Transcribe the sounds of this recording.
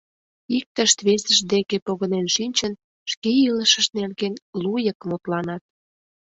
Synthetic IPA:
ik̚t̪əʃt̪βesəʃd̪ekepoɣənenʃinʲt͡ɕən | ʃkeiləʃə̆ʃnerɣenlujəkmot̪lɑnɑt̪̚

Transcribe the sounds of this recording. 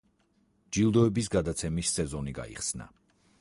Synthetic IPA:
d͡ʒilˠd̪ɔɛbisɡad̪at̪sʰɛmisːɛzɔniɡa̰ḭχsna̰

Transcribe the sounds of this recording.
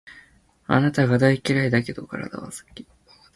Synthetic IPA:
a̰nat̪aɡad̪aikʲiɾaid̪ake̞d̪o̞kaɾa̰d̪a̰βa̰sɨ̥kʲːi̥

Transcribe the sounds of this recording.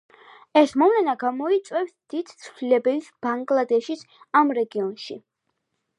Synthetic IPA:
ɛsmɔmlɛnaɡamɔit̪sʼwɛfsd̪̥id̪̥t̪sʰvlilɛbɛlisb̥aŋɡlˠad̪ɛʃis | amɾɛɡiɔnʃi

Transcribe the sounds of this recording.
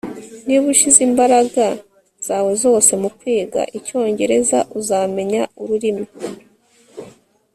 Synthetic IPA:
niβuʃizimbaɾaɡa | z̥aːwe̞zo̞ːse̞mukwiːɡa̰ʔico̞ːɲɟe̞ɾe̞za̰ʔuzaːme̞ɲauɾuɾimi

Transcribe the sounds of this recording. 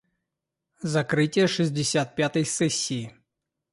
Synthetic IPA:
zɐkɾɪtʲijɐʂɨzʲdʲɪsʲat̪̚pʲjat̪ɐjsɛsʲːiji

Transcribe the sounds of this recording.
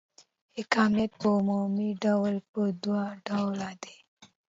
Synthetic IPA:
hɪkɑmijat̪̚pəʊmumiɖawlpəd̪waɖawlad̪e

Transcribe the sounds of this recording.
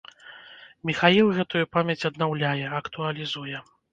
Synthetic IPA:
mʲixajilˠɣɛt̪ujupamʲjɛt͡sʲɐd̪nawlʲajɛɐkt̪uɐlʲizujɛ

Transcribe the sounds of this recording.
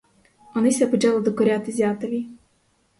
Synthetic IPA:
ɔnɪsʲɛpɨt͡ʃalˠɪd̪ɔkɔɾʲat̪ɪzʲat̪ɔvʲi

